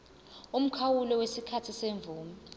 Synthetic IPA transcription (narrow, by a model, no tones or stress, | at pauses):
um̩kʰawulɔwesikʰatʰiseɱvuːmi